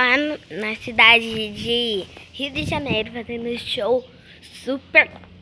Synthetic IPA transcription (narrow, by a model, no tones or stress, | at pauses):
ãnʊnɐsid̪ad͡ʒɪd͡ʒɪhiwd͡ʒ̪ɪʒɐnejɾʊvat̪ẽnd̪ʊʃow | supeɾ